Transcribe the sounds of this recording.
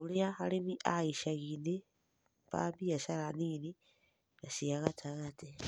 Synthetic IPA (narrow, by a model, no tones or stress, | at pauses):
uliaxalimiʔaiʃaɣine | pa̰mbijasalaniːni | ɡasijaɣatʰaɣati